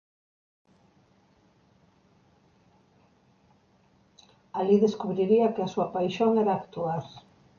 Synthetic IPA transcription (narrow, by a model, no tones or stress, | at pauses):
aliðeskuβɾiɾiɐkɪasuɐpajʃoŋɛɾaːkt̪uaɾ